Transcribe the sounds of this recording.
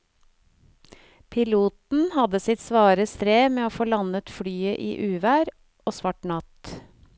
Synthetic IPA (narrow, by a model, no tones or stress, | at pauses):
pʰɪluːt̪n̩hɑd̪əsɪt̪sʋɑːɾəst̪ɾeːmeːoːfoːlɑnət̪fɽyːəʔḭːʔʉːʋæːɾ | ʔoːsʋɑʈɳɑt̪